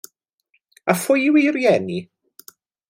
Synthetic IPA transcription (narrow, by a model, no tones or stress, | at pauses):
afʊjwirjɛni